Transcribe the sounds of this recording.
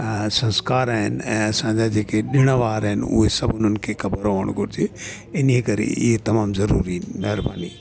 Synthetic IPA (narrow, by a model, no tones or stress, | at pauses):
sɐ̃nskaːɾaːɦɪnɛ̰̃ːɐsãd͡ʑad͡ʑeːkeɗɪɽ̃aʋaːɾɦɪnʊ̰ɦesɐbʊn̤ənkʰekɐbəɾʋoːəɽ̃ɡʱʊɾɪd͡ʒe | ɪnekɐɾḛʔɪɦet̪ɐmaːmzɐɾuːɾimɛɦɾba̰ːniː